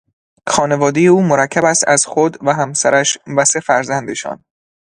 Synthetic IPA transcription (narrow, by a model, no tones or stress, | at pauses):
xɒːne̞vɒːd̪e̞je̞uːmoɾæcʰːæbæst̪æz̥xod̪væɦæmsæ̰ɾæʃvæsefæɾzænd̪eʃɒ̰ːn